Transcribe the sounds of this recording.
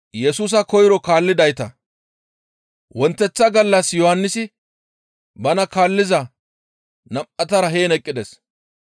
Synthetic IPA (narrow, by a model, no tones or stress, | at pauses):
jɛsuːs̬ɐkɔjɪɾɔkaːlːɪd̪ɐjt̪ɐ | wɔnt̪ːɛt͡sːɐɡɐlːɐsjɔhɐnːɪsɪ | bɐnɐkaːlːɪzɐ | nɐmʔɐt̪ɐɾɐɦeːnɛkʼːɪd̪ɛs